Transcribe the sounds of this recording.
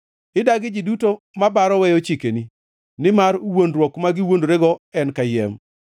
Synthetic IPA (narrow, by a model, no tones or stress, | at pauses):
ɪdaɡɪd͡ʒɪduto | mabaɾɔwɛjot͡ʃikeni | nɪmaɾwondɾwɔkmaɡɪwondoɾeɡɔɛnkajɛ̰m